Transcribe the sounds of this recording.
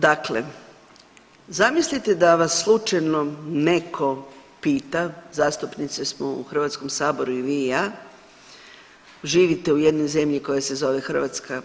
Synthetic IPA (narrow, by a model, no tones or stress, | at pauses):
d̪aklḛ | zamislit̪e̞d̪aʋasːlˠut͡ʃajno̞ne̞kʰo̞piːt̪azaːst̪upnit̪sesmoṵxr̩ʋat̪sko̞msaːbo̞ɾuiʋiːjaː | ʒiːʋit̪e̞ujed̪no̞jze̞mʎiko̞jese̞zo̞ʋe̞xr̩ʋat̪ska